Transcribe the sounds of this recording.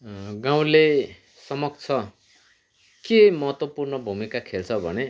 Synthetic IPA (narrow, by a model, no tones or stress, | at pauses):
ɡaw̃le | sʌmʌk̚t͡sʰʌ | kemʌɦʌt̪wʌpurnʌbʱumikakʰelt͡sʰʌbʱʌ̰ne